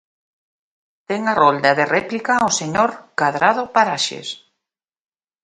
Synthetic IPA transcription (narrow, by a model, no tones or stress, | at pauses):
t̪ɛŋarold̪aðerɛplikaoseɲoɾkaðɾaðʊpaɾaʃḛs